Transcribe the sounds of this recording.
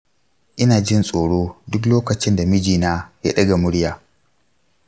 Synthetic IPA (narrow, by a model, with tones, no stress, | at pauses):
ʔɪ˦naː˨d͡ʒɪ˦nsʼoː˨ɽoː˦dʊ˦k̬loː˦kɐ˨t͡ʃɪ˦nda˨mɪ˦d͡ʒiː˨naː˦ja̰˦ɗɐ˦ɡa˨mʊ˦ɽjaː˨